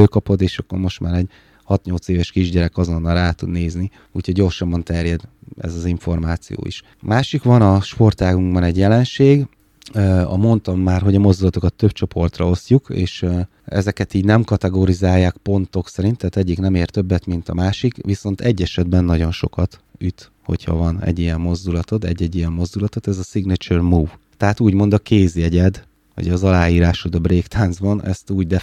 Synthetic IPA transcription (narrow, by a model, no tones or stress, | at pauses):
øːkɒpo̞d̪eːʃɒkːo̞̰rmo̞ʃt̪maːɾɛɟ | hɒt̪ɲo̞lt̪seːvɛʃkiʒɟɛɾɛkɒzo̞nːɒlraːt̪ud̪neːzni | uːchoɟɟorʃɒmbːɒnt̪ɛrjɛd̪ɛ̰zɒziɱfo̞rmaːt̪sḭjo̰ːḭʃ | maːʃikʋɒnɒʃpo̞rt̪aːɡuŋɡbɒnɛɟjɛlɛnʃeːɡ | ɒ̰mo̞nt̪ɒmːaːrɦo̞ɟɒmo̞zd̪ulɒt̪o̞kɒt̪ːøbt͡ʃo̞po̞rt̪rɒ̰o̞sjukḛːʃ | ɛ̰zɛkɛt̪iːɟnɛmkɒt̪ɛɡoːɾizaːjːaːkpo̞nt̪o̞ksɛɾint̪ːaːt̪ɛɟːiknɛmeːrt̪ø̞bːɛt̪mint̪ɒmaːʃikʋiso̞n̪t̪ɛɟːɛʃɛd̪bɛnːɒɟo̞nʃo̞̰kɒt̪yt̪ | ho̞̰chɒ̰vɒnɛ̰ɟːijɛmːo̞zd̪ulɒt̪o̞t̪ɛ̰ɟːɛɟːijɛmːo̞zd̪ulɒt̪ot̪ɛzɒsiɡnit͡ʃørmuːv | t̪ɛɦat̪uːɟmo̞nd̪ɒkeːzjɛɟɛd̪ | ʋɒ̰ɟɒzɒlaːjiːɾaːʃud̪ɒbreːkt̪ʰaːnzbɒnɛ̰st̪uːɟd̪ɛ